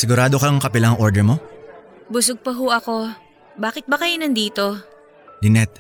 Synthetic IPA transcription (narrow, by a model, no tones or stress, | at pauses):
sɪɡʊɾaːd̪o̞kɐŋkɐpɪlaɐŋʔo̞ːɹd̪ɛɾmo̞ | bʊs̬oɡ̚pɐɦuʔɐko̞ | baːkɪt̪̚bɐkɐjonɐnd̪iːt̪o̞ | lɪnɛt̪̚